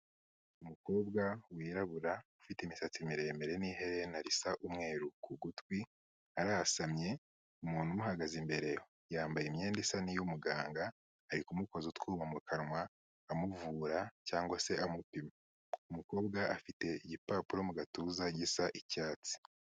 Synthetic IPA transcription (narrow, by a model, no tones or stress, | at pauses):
umuko̞ːbɡawiːɾaβuɾaufiteimisat͡simiɾe̞me̞ɾe̞niːɦe̞ɾenaɾisaʔumŋe̞ːɾukuɡutwi | aɾaːsamɲe̞ | umuːnhumuɦaɡazimbe̞ɾe̞ho | jaːmbajemɲe̞ːndesanijumuɡaːŋɡaː | ɾikumuko̞zutkuːmamukanwaː | muvuːɾacaːŋɡwase̞ʔamupima | umuko̞ːbɡaʔafite̞iɟipaːpuɾo̞muɡatuzaɟisaʔicaːt͡si̥